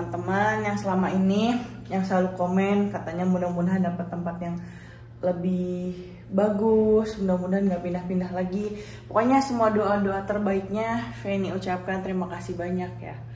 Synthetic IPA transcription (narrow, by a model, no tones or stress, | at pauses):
nt̪əmanjaŋsəlamaini | jaŋsəlalukomɛnkat̪aɲamundamunaɦandapat̪ːəmpat̪jaŋ | ləbɪh | baɡʊsmundamunaɦanɡaʔpinahpindahlaɡi | pukaɲasəmuadoʔadoat̪ərbaik̚ɲafɛniut͡ʃap̚kant̪əɾimakasihbaɲak̚ja̰